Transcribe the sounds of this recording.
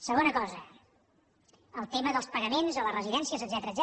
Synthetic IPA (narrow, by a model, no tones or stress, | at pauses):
səɣonəkɔzə | əlˠt̪eməðəlˠspəɣəmenzələrəziðɛnsiəzəd̪zɛt̪ɾəːd̪z